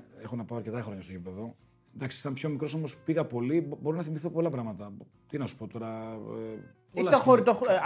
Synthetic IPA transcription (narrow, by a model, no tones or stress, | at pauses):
exonɐpɐoɐɾce̞t̪ɐxɾoɲɐst̪oepipe̞ðo̞ | nd̪ɐksi̥sɐmpço̞mikɾo̞so̞mo̞spiɣɐpo̞libo̞ɾonɐθimiθopo̞lɐpɾɐmɐt̪ɐ | t̪inɐsu̥po̞t̪o̞ɾɐ | ilt̪xoɾit̪ox